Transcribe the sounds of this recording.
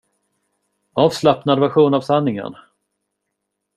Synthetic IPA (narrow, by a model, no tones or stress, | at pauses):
ɑːvslapnad̪væɾɧuːnavsanːɪŋə̰ɳ